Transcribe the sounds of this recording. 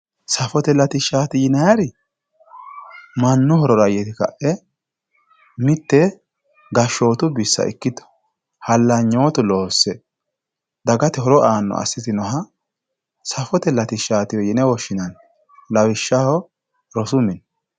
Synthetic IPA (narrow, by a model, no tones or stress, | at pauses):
sɐfɔt̪ɛlɐt̪ɪʃːaːt̪ɪjɪnɐjɐɾɪ | mɐnːʊhɔɾɔɾɐjɛt̪ɪkɐ̰ʔɛ | mɪt̪ːɛ | ɡɐʃːo̞ːt̪ʊbɪsːɐ̰ʔɪ̰kːɪd̪ɔ̥ | hɐlːɐɲːo̞ːt̪ʊloːsːɛ | d̪ɐɡɐt̪ɛɦɔɾɔʔaːnːɔ̰ʔɐ̰sːɪt̪ɪnɔɦɐ | sɐfɔt̪ɛlɐt̪ɪʃːaːt̪ɪwɔjɪnɛwɔʃːɪnɐn | lɐwɪʃːahɔ | ɾɔsʊmɪn